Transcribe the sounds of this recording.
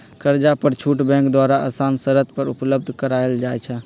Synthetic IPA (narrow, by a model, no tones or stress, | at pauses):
kəɾd͡ʒapəɾt͡ʃʰuʈbɛ̃ŋkd̪waɾaʔə̰sansəɾət̪̚pəɾupləbd̪ʱkəɾaeld͡ʒajt͡ʃʰɛ